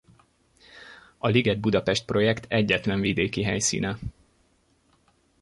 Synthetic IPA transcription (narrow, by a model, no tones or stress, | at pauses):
ɒliɡɛd̪̚bud̪ɒpɛʃt̪̚pro̞jɛkt̪ʰɛɟːɛt̪lɛɱvid̪eːkiɦɛjsḭːnɛ